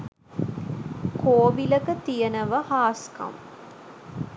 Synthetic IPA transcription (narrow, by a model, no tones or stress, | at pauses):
koːʋilɐkɐt̪ijɐnɐʋɐhaːskɐ̰m